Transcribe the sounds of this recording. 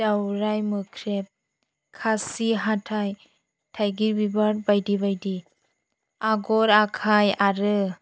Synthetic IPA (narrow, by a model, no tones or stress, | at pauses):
awɾajmɯkʰɾep̚ | kʰasiɦatʰaj | tʰajɡiɾbibaɾbajdibajdi | aɡɔɾakʰajaɾɯ